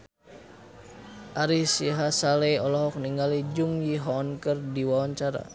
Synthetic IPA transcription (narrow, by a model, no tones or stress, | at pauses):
ʔaɾisiɦasalɛɔlɔɦɔk̚niŋɡalid͡ʒuŋjiɦɔːnkərdiwawaɲt͡ʃaɾa̰